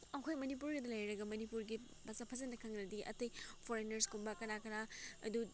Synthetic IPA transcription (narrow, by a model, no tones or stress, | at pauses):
ɐkʰojmɐnipuɾɡɐdɐlɐjɾɐɡɐmɐnipuɾɡi | bɐsapʰɐzɐnːɐkʰɐŋnɐdiʔɐ̰tɐjpʰoɾenɐɾskombɐkɐnakɐɾaɐ̰du